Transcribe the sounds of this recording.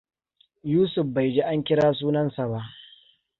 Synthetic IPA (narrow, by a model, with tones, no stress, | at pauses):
juː˦sʊ˨ɸba˨jd͡ʒeː˦ʔa˦ŋkʲɪ˦ɽaː˦s̬uː˦nɐ˦nsa˨ba˦ʔ